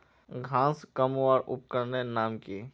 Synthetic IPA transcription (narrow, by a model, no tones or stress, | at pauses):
ɡʱãːskəmʋaːɾʔʊ̰p̚kəɾnenaːmkiː